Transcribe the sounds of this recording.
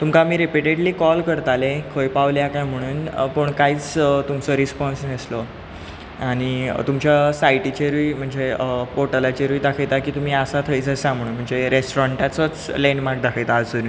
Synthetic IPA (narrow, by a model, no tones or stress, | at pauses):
t̪umkamiːɾepiʈeɽliːkɔlkəɾt̪alẽkʰəjpaʋljakajm̤əɽ̃uːnpəɳkaiːt͡st̪umt͡sɔɾispɔnsneslɔ | aɽ̃it̪umt͡ɕjasajʈit͡ɕeɾʋiːm̤əɳd͡zepoʈəlat͡ɕeɾʋiːd̪akʰəjt̪akiːt̪um̤iːasat̪ʰəjt͡səsãm̤ʱəɽ̃uːnm̤əɳd͡zeɾesʈoɾɔɳʈat͡sət͡slenmaɡ̚d̪akʰəjt̪aːd͡zt̪əɾi